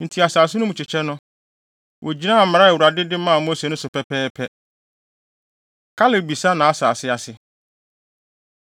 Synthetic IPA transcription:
n̩˨tʰi˨a˨saː˨sʊ˦nʊ̃˦mʊ̃˨t͡ɕʰɪ˨t͡ɕʰɛ˦nʊ̃˦ | wʔɔ˨d͡ʑi˦nã˦˨m̩˨m˨ɾa˦˨wu˨ɾa˨dɪ˦dɪ˦mã˦˨mʊ̃˦sɛ˨nʊ̃˦sʊ˨pʰɛ˦pʰɛː˦pʰɛ˦ | kʰa˦le˨ɾbi˨sa˦nã˨a˦saː˨sɪ˦a˨sɪ˨

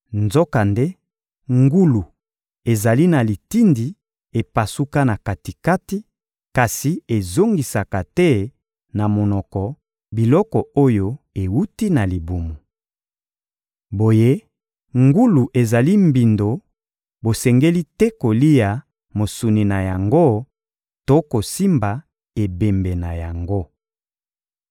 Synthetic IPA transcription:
nzo˦ka˨nde˦ | ŋɡu˦lu˨ | e˨za˨li˦na˨li˨ti˦ndi˨ | e˨pa˨su˦ka˦na˨ka˨ti˨ka˦ti˦ | ka˨si˨e˨zo˦ŋɡi˨sa˨ka˨tɛ˦ | na˨mo˨nɔ˨kɔ˨ | bi˨lɔ˦kɔ˨o˦jo˦ | e˨wu˦ti˦na˨li˨bu˨mu˨ | bo˨je˦ | ŋɡu˦lu˨ʔe˨za˨li˦mbi˨ndo˨ | bo˨sɛ˨ŋɡe˦li˦tɛ˦ko˨li˦ja˨ | mo˨su˨ni˨na˨ja˨ŋɡo˦ | to˦ko˨si˦mba˨ | e˨be˨mbɛ˨na˨ja˨ŋɡo˦

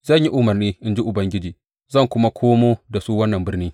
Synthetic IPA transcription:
zɐ˦˨ɲji˦ʔʊ˦mɐ˨rniː˦ʔɪ˦nd͡ʒi˦ʔʊ˨bɐ˦ŋɡʲɪ˦d͡ʒiː˨ | zɐ˦˨ŋkʷʊ˦ma˦kʷʰoː˦moː˦da˨suː˦wɐ˦nːɐ˨mbɪ˦rniː˦

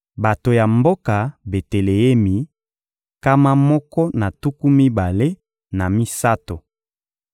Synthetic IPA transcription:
ba˨to˨ja˨mbo˦ka˨be˨te˨le˨e˦mi˨ | ka˦ma˦mɔ˦kɔ˦na˨tu˦ku˦mi˦ba˨le˦ | na˨mi˦sa˦to˨

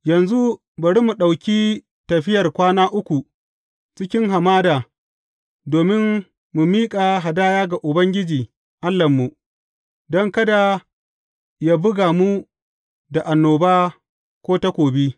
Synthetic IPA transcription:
jɐ˨nzu˦ | bɐ˨ɽi˦mu˨ɗa˨wkʲi˦ | tɐ˨ɸɪ˦jɐ˨rkʷaː˦naː˦ʔʊ˦kʷu˨ | t͡ʃɪ˦kʲɪ˦ŋɦa˨maː˦daː˨ | doː˨mɪ˦n | mu˨miː˦kʼa˨ɦa˨daː˦jaː˦ɡa˨ʔʊ˨bɐ˦ŋɡʲɪ˦d͡ʒiː˨ | ʔa˦lːɐ˨mːu˨ | dɔ˦ŋkɐ˦da˨ | ja˦bʊ˦ɡaː˨mu˦ | da˨ʔa˨nːoː˨baː˦ | kʷoː˦tɐ˦kʷoː˨bi˦

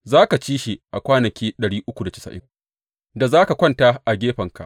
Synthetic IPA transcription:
zaː˦ka˨t͡ʃiː˦ʃi˨ʔa˨kʷaː˦nɐ˨kʲiː˦ɗɐ˨ɽiː˦ʔʊ˦kʷu˨da˨t͡ʃɪ̥˦sa̰˨ʔɪ̰˦ŋ | da˨zaː˦ka˨kʷɐ˦ntaː˦ʔa˨ɡʲeː˦ɸɐ˨ŋka̰˨ʔ

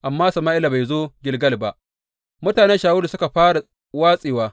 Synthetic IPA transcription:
ʔa˨mːaː˦sɐ˨maː˦ʔɪ˦la˨ba˨jzoː˦ɡʲɪ˨lɡɐ˦lba˦˨ʔ | mʊ˦taː˨nɛ˦nʃaː˨wʊ˦lu˨sʊ˦ka˨ɸaː˦ɽa˨ | waː˦sʼiː˨waː˦

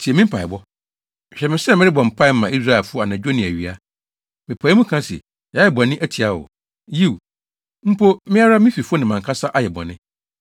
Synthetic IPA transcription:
tʰi˨e˨mɪ̃˦m̩˦pʰa˨ɪ˨bɔ˦ | m˨ɕᶣɛ˨mɪ̃˨sɛ˦˨mɪ̃˦ɪ˦bɔ̃˨m̩˨pʰa˦ɪ˦mã˨i˦s̬ɾa˦˨ɛ˨fʊ˦ɔ˦a˨nã˨d͡ʑᶣo˦nɪ̃˨æ˨ɥi˨a˦ | mɪ̃˨pʰa˨˦mũ˦kʰã˦sḭ˨ | jɛ˨bɔ˨nɪ̃˦ʔæ˦tʰi˨a˦wʊ̰˨ | ji˦˨w | m̩˦pʰo˦mɪ̃˦a˦ɾa˦mɪ̃˦fi˨fʊ˦ɔ˦nɪ̃˨mã˨ŋkʰa˦sa˦ʔa˦jɛ˨bɔ̰˨nɪ̃˦

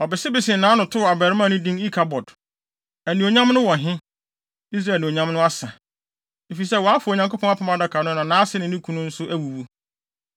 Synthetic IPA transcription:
ɔ˨bɪ˨sɪ˦bɪ˨sɪ̃˨nãː˨˦nʊ̃˨tʰʊ˦wa˨bæ˨ɾɪ˦mã˦˨nʊ̃˦dĩ˦ni˦kʰa˨bɔ˨d | æ˨nĩ˨o˨ɲã˦m˦nʊ̃˦wɔ̃˨ɦɪ̃˦ | i˦s̬ɾa˦ɛ˨nɪ̃˨o˨ɲã˦m˦nʊ̃˦a˦sa˨ | e˨fi˨s̬ɛ˦˨wɔ˨a˦fʊ˨o˨ɲã˨ŋko˦pʰɔ̃˦a˦pʰɔ̃˦ma˨da˨kʰa˨nʊ̃˦nã˨nãː˨˦sɪ˦nɪ̃˨nɪ̃˦kʰũ˦nʊ̃˦n̩˦sʊ˦ʔæ˦wu˨wu˦

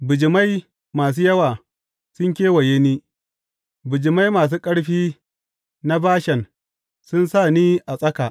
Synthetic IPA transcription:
bʊ˨d͡ʒɪ˨ma˦j | maː˨s̬uː˦jɐ˦waː˨ | sʊ˦ŋkʲeː˦wɐ˨jeː˦niː˦ | bʊ˨d͡ʒɪ˨ma˦jmaː˨s̬uː˦kʼɐ˦ɽɸiː˦ | na˦baː˦ʃɛ˨n | sʊ˦nsaː˦˨niː˦ʔa˨sʼɐ˦kaː˨ʔ

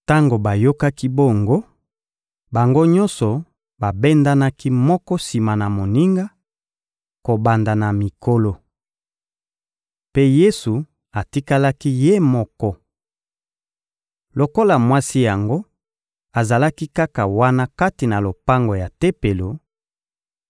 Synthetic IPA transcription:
ta˦ŋɡo˨ba˨jo˦ka˦ki˦bɔ˦ŋɡo˦ | ba˨ŋɡo˦ɲɔ̃˦nsɔ˨ | ba˨be˦nda˦na˦ki˦mɔ˦kɔ˦si˨ma˨na˨mo˨ni˦ŋɡa˦ | ko˨ba˨nda˨na˨mi˨ko˦lo˨ | pe˦je˦su˨ | a˨ti˦ka˦la˦ki˦je˦mɔ˦kɔ˦ | lo˨ko˦la˨mwa˦si˦ja˨ŋɡo˦ | a˨za˨la˦ki˦ka˦ka˨wa˦na˦ka˦ti˨na˨lo˨pa˦ŋɡo˨ja˨te˦pe˨lo˨

